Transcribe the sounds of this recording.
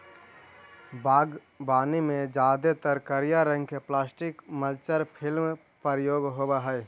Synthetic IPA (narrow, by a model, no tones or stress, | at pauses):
baːɡ | baːnimẽd͡ʒaːd̪et̪əɾkəɾijaɾə̃ŋɡkeplaːsʈɪkməlt͡ʃəɾpʰɪlm | pəɾjoːɡɦobaɦɛ